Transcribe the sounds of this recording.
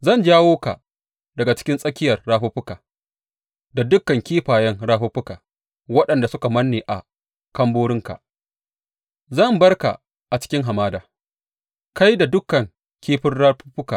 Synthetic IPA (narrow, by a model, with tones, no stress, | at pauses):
zɐ˦˨nd͡ʒaː˦woː˦ka̰˨ | dɐ˨ɡa˨t͡ʃɪ̥˦kʲɪ˦nsʼɐ˦kʲɪ˦jɐ˨rːaː˦ɸʊ˦ɸʊ˦kaː˨ | da˨dʊ˦kːɐ˨ŋkʲiː˦ɸaː˨jɐ˦ŋɽaː˦ɸoː˦ɸʊ˦kaː˨ | wɐ˦ɗɐ˨nda˨sʊ˦ka˨mɐ˦nːeː˨ʔa̰˨ | kɐ˦mboː˦ɽɪ˦ŋka̰˨ʔ | zɐ˦˨mbɐ˦rka̰˨ | ʔa˨t͡ʃɪ̥˦kʲɪ˦ŋɦa˨maː˦daː˨ | ka˦jda˨dʊ˦kːɐ˨ŋ | kʲiː˦ɸɪ˦rɽa˦ɸɸʊ˦kaː˨